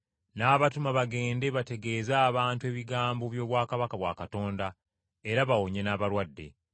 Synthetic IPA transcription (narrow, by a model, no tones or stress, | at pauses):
naːβatumaβaɡe̞ːnde̞βate̞ɡe̞ːzaːβaːntue̞ːβiɡaːmboβjo̞ːβwaːkaβakaβwa̰ːkato̞ːnda | eɾaβawoɲenaːβaɾwadːe̞̰